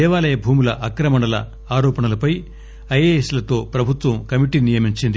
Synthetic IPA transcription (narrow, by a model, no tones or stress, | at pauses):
ɛːʋaːlɐjɐbʱuːmulɐʔɐkɾɐmɐɳɐlɐ̰ | aːɾɔːpɐɳɐlɐpɐj | ɐjeːeslɐt̪o̞ːpɾɐbʱut̪ʋɐmkɐmiʈinijɐmiɲt͡ʃind̪i